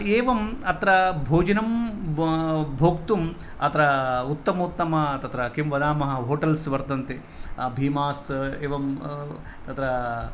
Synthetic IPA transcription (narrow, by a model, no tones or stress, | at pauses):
eːʋɐmɐt̪ɾɐbʱoːd͡ʒɐnɐm | bʱoːkt̪um | ɐt̪ɐɾɐut̪ːɐmɐut̪ːɐmɐt̪ɐt̪ɾɐkimʋɐd̪aːmɐɦɐɦoːʈɐlsʋɐɾd̪ɐnt̪e | bʱiːmaːseːʋɐm | t̪ɐt̪ɾɐ